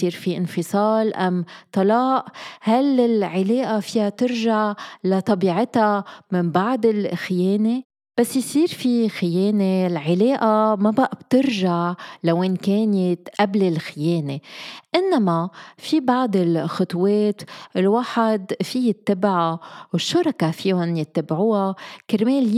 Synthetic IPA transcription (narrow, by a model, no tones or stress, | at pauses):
siːɾfiʔɪnfɨsˤɑːlʔamt̪ˤɑlɑːʔhalɪlʕɪleːʔafɪjat̪ɪɾʒaʕlat̪ˤɑbiːʕɪt̪amɪmbaʕd̪ɪlxɪjeːne | b̥asːjsiːɾfixɪjeːnelʕɪleːʔamabaʔab̥̚t̪ɪɾʒaʕlawʔɪnkeːnɪt̪ʔablɪlxɪjeːneʔɪnːamafibɑʕd̪ɪlxʊt̪ˤweːt̪lwaːħad̪fijɪt̪ːabʕawɪʃːɑɾˤɑkafiːhʊnjɪt̪ːabʕuːhakɪɾmeːl